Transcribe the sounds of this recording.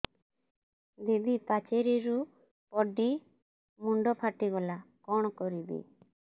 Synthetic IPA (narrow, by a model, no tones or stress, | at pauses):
d̪id̪ipat͡ʃeɾiɾu | pɔɖi | muɳɖɔpʰaʈiɡɔlakɔɽ̃ɔkɔɾid̪ḭ